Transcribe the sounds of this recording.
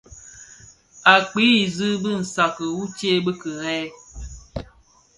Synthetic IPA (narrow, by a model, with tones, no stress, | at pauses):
a˨k͡pi˨˦i˨zɨ˦bɨ˦n̩˨sa˨kə˨wu˦t͡ʃe˦bə˦kɨ˨ɾɛ˦